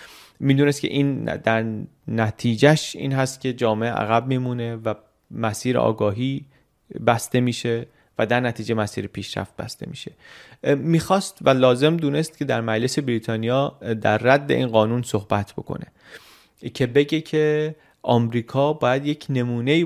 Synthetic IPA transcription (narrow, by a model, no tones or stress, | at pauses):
miːd̪uːnest̪cʰe̞̰ʔiːnd̪æɾ | næt̪ʰiːd͡ʒæʃḭːnɦæst̪̚cʲʰe̞d͡ʒɒːmeʔeʔæ̰ɣæb̚miːmuːne̞væ | mæsiːɾḛʔɒ̰ːɡɒːɦiː | bæst̪e̞miːʃe̞ | væd̪æɾnæt̪ʰiːd͡ʒe̞mæsḭːɾepʰiːʃɾæ̰ft̪̚bæ̰st̪e̞̰mḭːʃe̞̥ | miːxɒːst̪vælɒːze̞md̪uːne̞st̪̚cʰe̞d̪æɾmæd͡ʒle̞se̞bɾiːt̪ʰɒːnijɒːd̪æɾːæd̪ːe̞̰ʔiːnɢɒːnunso̞hb̥æt̪ʰb̥o̞̰kʰo̰ne̞̰ | cʰe̞be̞ɟecʰe̞ | ʔɒːmɾiːkʰɒːbɒːjæd̪je̞cʰne̞muːne̞iː